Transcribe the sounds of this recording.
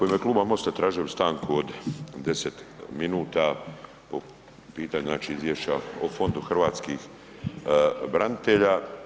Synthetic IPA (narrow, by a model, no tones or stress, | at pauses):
ko̞jimjeklˠuːbamo̞st̪at̪ɾaːʒijost̪aːŋkuod̪d̪e̞set̪minuːt̪a | po | piːt̪aɲuznaːt͡ʃiizʋjeʃt͡ɕaofo̞nd̪uxr̩ʋaːt̪skix | bɾanit̪eʎa